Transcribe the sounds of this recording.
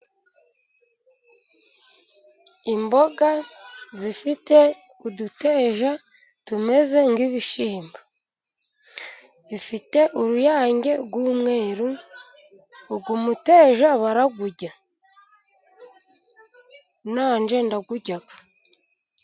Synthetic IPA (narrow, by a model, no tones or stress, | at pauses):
imbo̞ɡazifite̞ | udute̞ːʒa | tume̞ze̞ŋɡiβiʃiːmba | zifite̞ʔuɾujaːɲɟe̞ɡwuːmŋe̞ːɾu | ɡumute̞ːʒaβaɾaɡuɟa | naːnd͡ʒe̞ndaɡuɟaɡḁ